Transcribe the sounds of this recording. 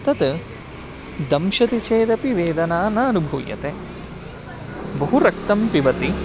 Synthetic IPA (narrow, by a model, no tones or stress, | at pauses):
t̪ɐt̪ | d̪ɐmʃɐt̪it͡ʃeːd̪ɐpiʋeːd̪ɐnaːnɐɐnubʱuːjɐ̰t̪e | bɐɦuɾɐk̚t̪ɐmpiʋɐt̪i